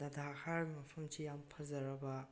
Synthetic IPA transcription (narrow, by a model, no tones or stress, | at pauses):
dɐdakʰaɾmɐpʰɐmsijampʰɐzɐɾɐbɐ